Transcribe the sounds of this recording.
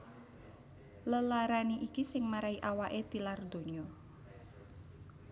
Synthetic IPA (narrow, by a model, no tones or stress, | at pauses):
ləlaɾaniʔikisɪŋmaɾaiʔawaʔet̪ilard̪o̤ɲɔ